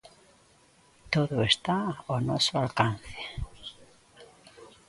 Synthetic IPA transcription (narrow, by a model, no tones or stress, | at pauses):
t̪oðoest̪aonɔsoalkanθe